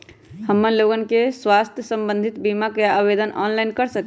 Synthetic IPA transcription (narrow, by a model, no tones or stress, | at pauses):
həmːəɾloɡənkeswast̪ʰjəsəmbə̃nd̪ʱit̪bimakjaʔəbed̪ənʔɔ̰nlajnkəɾsək